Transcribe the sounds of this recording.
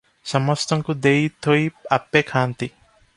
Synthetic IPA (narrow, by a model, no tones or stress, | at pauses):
sʌmɔst̪ʰɔŋkud̪ejt̪ʰojapːekʰaːnt̪i